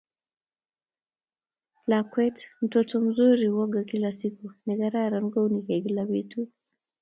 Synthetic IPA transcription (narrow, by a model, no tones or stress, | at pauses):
lakwɛtm̩tɔtɔm̩zuɾiwɔɡakilasikuniɣaɾaɾanɡɔunikaɡilaβitu